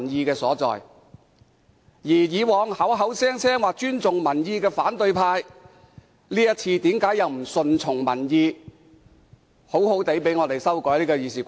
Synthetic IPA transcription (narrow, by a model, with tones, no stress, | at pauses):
njiː˧kɛː˧sɔː˨˥t͡sɔ̰ː˨˩j | jiː˨˩jiː˨˧wɔː˨˧ŋhɐ˨˥wɦɐ˨˥wsɛː˥ŋt͡ssʰɛː˥ŋwaː˨k̚t͡ʃyː˥nt͡sʊ˨ŋmɐ˨˩njiː˧kɛː˧faː˨˥nt̪ɵ˧ɥpʰaː˧j | liː˥jɐ˥t̚t͡sʰiː˧t̪iː˨˥mkaː˨˥jɐ˨˧wm̩˨˩sɵ˧nt͡sʰʊ˨˩ŋmɐ˨˩njiː˧ | ho˨˥who˨˥wt̪e˨˥jpe˨˥jŋɔː˧t̪e˨jsɐ˥wkɔː˨˥jliː˥kɔː˧jiː˨˧siː˨˩k